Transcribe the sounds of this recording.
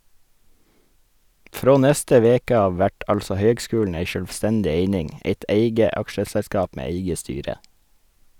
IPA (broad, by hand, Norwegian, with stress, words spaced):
ˈfɾoː ˈnɛstə ˈʋeːkə ˈɑːʋ ˈʋæʈ ˈɑlsɔ ˈhøːɡˌskʉːln̩ ˈæɪ ʃœlʋˈstɛndɪ ˈeɪnɪŋ ˈeɪt ˈeɪɡə ˈɑkʃəsɛˌskɑːp ˈmeː ˈeɪɡə ˈstyːɾə